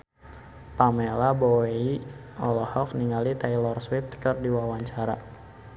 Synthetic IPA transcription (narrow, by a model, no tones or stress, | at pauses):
pamelaboei | ɔlɔhɔk̚niŋalit̪ajlɔrswift̪kɨrdiwawaɲt͡ʃaɾa